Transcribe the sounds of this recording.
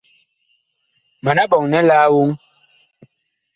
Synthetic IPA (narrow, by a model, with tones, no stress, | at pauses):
ma˨na˦ɓɔ˨ŋnɛ˦laː˦wu˦ŋ